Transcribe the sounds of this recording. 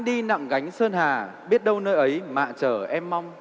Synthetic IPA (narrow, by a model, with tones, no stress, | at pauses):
ɗi˧na̰˧˨ŋɣa˨˦jŋ̟səː˧nhaː˨˩ɓi˦˥ət̚ɗə˧wnəː˧jʔə˨˦jma̰ː˧˨t͡ɕəː˧˩ʔɛ˧mːa˧wŋ͡m